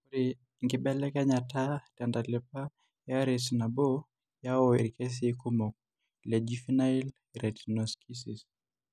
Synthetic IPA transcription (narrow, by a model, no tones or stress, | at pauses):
uɾi | ŋɡiɓɛlɛkaɲatatandalɛpa | jaɾɛsnabɔ | jaɔiɾikɛs̬ikumɔk̚ | lɛd͡ʒifinail | ɾɛtnɔskʰisis